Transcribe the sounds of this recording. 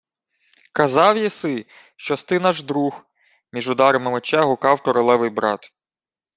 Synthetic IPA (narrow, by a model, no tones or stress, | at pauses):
kɐzɑwjisɪ | ʃt͡ʃɔst̪ɪnɑʒd̪ɾux | mʲiʒʊd̪ɑɾɐmɪmɔt͡ʃɛɦʊkɑwkɔɾɔlˠɛʋɪjbɾɑt̪